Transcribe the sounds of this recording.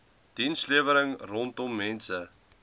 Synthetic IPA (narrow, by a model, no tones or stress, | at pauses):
d̥insliəvəɾəŋrɔntɔmːɛnsə